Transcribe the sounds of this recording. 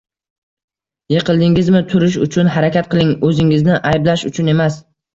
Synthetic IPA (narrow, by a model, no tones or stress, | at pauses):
jeqʰɨlˠd̪ɪŋɪzmɪt̪ʰʊɾɪʃ̬ʊt͡ʃʰʊnɦaɾakʲat̪̚qʰɨlˠɪŋɵzɪŋɪznɪʔajblaʃʊt͡ʃʰʊne̞mas